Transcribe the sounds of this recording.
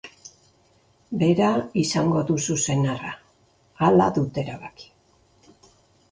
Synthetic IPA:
be̞ɾaisaŋɡo̞ðususe̞naraː | la̰ðut̪e̞ɾaβaki̥

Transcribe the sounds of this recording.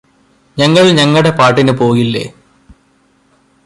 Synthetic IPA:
ɲɐŋːɐɭɲɐŋːɐɽepaːʈːinɨpo̞ːɣilːe̞̰ː

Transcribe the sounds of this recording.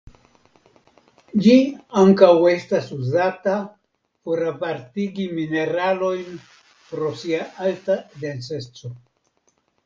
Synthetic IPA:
d͡ʒiaŋkawe̞stasuzata | poɾapaɾtiɡimine̞ɾalo̞jn | pɾo̞siaʔaltad̪ent͡sest͡so̞

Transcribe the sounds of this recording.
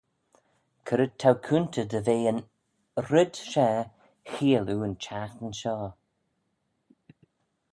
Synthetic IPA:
kʰəɾət̪ʰːawkʰuntʰədəveːən | ɾɪdʃɛː | xiːəluənt͡ʃʰaxənʃɔː

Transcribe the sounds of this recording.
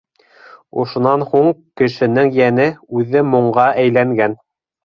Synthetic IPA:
ŏʃŏnɑnhuɴkɘ̆ʃɘ̆nɘŋjænɘʉðɘmŏɴɢɑʔæjlæŋɡæn

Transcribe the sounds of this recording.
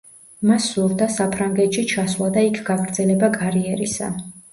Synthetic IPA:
masːulˠd̪asapʰɾaŋɡɛt̪ʃit͡ʃʰaslˠad̪aikʰɡaɡɾd̪zɛlɛbaɡaɾiɛɾisa̰

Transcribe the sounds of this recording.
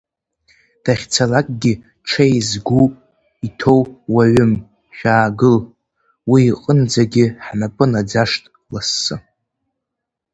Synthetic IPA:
d̥aχʲt͡sʰalakʼɡʲɪ | ʈ͡ʂʰejzɡupʼ | itʰo̞wwaɥʊm | ʃʲᶣaːɡɨl | wiːqʼənd͡zaɡʲɪħnapʼɨnad͡zaʂtʼ | lasːɨ

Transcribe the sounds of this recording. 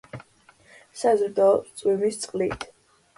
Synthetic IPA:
sazɾd̪ɔt̪sʼwimist̪sʼqʼlit̪ʰ

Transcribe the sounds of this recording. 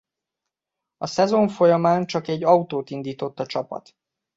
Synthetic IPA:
ɒsɛzo̞ɱfo̞jɒmaːnt͡ʃɒkɛɟːɒut̪oːt̪ind̪iːt̪o̞t̪ːɒt͡ʃɒpɒ̰t̪

